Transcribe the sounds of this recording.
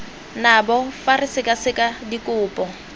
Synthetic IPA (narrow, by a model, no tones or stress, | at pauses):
nabɔfarɪsɪkʼasɪkʼadikʼʊːpʼɔ